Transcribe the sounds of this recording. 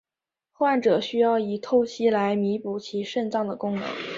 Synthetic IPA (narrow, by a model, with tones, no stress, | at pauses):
xwa˥˩nʈ͡ʂɤ˨˩ɕy˥jɑ˥˩ʊi˨˩t̪ʰo˥˩ʊt͡ɕʰi˥la˧˥ɪmi˧˥pu˨˩t͡ɕʰi˧˥ʂə˥˧nt͡sɑ˥˩ŋd̪ə˩kʊ˥ŋnɤ̰˧˥˦ŋ